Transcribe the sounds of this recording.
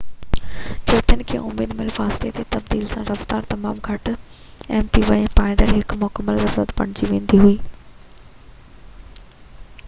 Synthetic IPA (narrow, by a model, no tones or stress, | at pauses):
t͡ɕʊːt̪ʰijənɪ̆kʰḛːʔʊmḛːd̪mɪlfaːsɪlet̪ʰet̪ɐbd̪iːlsãɾɐft̪aːɾt̪ɐmaːmɡʱɐʈ | ɛ̃ːnt̪ʰiʋɐẽpãːnd̪əɾɦɪkmʊkəmːəlzɐɾuːɾət̪pɐ̰ɽ̃ɪd͡ʑiʋẽːnd̪iɦuiː